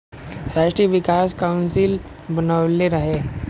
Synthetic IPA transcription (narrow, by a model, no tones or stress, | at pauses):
ɾaːʃʈɾijəʋɪkaːskaʊnsɪl | bənaʋleɾɐɦe